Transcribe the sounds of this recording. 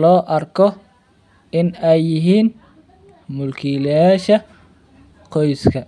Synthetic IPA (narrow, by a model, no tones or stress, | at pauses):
lɔːʔɐrkʰɔ | ɪnɛjːɪɦiːn | mʊlkʰiljaːʃɐ | qʰɔjskʰɐ